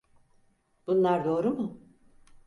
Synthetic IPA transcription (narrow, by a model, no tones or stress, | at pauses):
b̥unlˠaɾd̪o̞ːɾumʊ